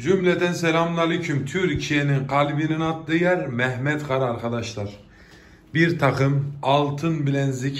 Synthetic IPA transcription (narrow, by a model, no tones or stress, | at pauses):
d͡ʒymlɛd̪ɛnsɛɾamnˠalicʰymt̪ʰyɾcʰijeninqʰɑlʲbininat̪d̪ɯjɛɾmɛhmɛt̪qʰɑɾaɾkʰad̪ɑʃlˠɑɾ | biɾt̪ʰɑqɯmɑlˠt̪ʰɯnbilɛnzi